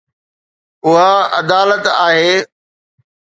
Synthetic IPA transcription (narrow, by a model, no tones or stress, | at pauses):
ʊɦaɐ̰d̪aːlət̪aːɦeː